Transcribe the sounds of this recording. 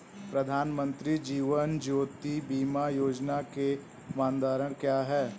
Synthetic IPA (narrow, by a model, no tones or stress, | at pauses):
pɾɐd̪ʱaːnmə̃nt̪ɾid͡ʒiːʋənd͡ʒoːt̪ibiːmajoːd͡ʒnake | maːnd̪aːɾəɽ̃kjaːɦɛː